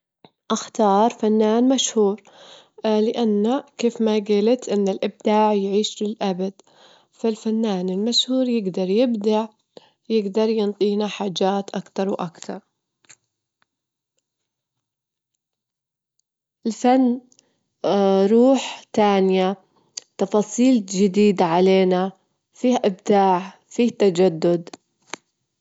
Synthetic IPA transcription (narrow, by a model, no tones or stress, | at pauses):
ʔaxt̪ɑːɾˤfanːaːnmaʃhuːɾ | lɪʔanːakeːfmaɡiːlat̪ʔɪnːɪlʔɪb̚d̪aːʕjʕiːʃlɪlʔabad̪̥ | falfanːaːnɪlmaʃhuːɾjɪɡd̪ɑɾˤjɪbd̪aʕ | jɪɡd̪ɑɾˤjɪnt̪ˤiːnaħaːd͡ʒaːt̪ʔakt̪ɑɾˤwʔakt̪ɑ̰ɾˤ | ʔɪlfanː | ɾˤuːħt̪aːnɪja | t̪ɑfɑːsˤiːld͡ʒɪd̪iːd̪aʕaleːna | fiːhʔɪbd̪aːʕ | fiːht̪ad͡ʒad̪ːʊd̪